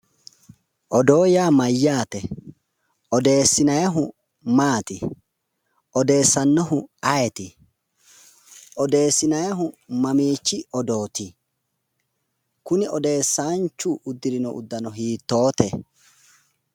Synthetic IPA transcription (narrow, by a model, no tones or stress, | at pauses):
ʔɔd̪o̞ːjaːmɐjːaːt̪ɛ | ʔɔd̪e̞ːsːɪnɐjɐɦʊ | maːt̪ɪ | ʔɔd̪e̞ːsːɐnːɔɦʊɐjɛt̪ɪ | ʔɔd̪e̞ːsːɪnɐjɐɦʊmɐmiːt͡ʃːɪɔd̪o̞ːt̪ɪ | kʊnɪɔd̪e̞ːsːaːnt͡ʃːʊʔʊd̪ːɪɾɪnɔʔʊ̰d̪ːɐnɔɦiːt̪ːo̞ːt̪ɛ